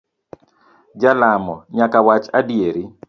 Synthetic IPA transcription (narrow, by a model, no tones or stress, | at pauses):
d͡ʒalamɔɲakawat͡ʃadjeɾi